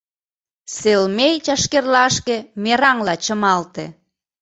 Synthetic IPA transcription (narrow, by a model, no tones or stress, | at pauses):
selmejt͡ɕɑʃkerlɑʃkĕmeɾɑŋlɑt͡ɕəmɑlt̪ḛ